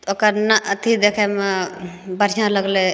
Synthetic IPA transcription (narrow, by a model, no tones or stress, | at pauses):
okəɾnəʔət̪ʰid̪ekʰɛmebəɾsãləɡle